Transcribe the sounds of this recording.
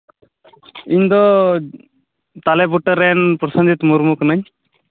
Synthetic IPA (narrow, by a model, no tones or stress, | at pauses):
iɲd̪ɔ | t̪alɛbuʈːəɾɛnpɾɔsɔnd̪it̪muɾmuknaɲ